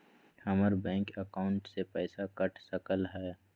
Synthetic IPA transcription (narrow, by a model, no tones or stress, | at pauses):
hɐməɾbɛ̃ːŋkəkaʊ̃ɳʈsepɛːsakɐʈʰsɐkəlɦɛː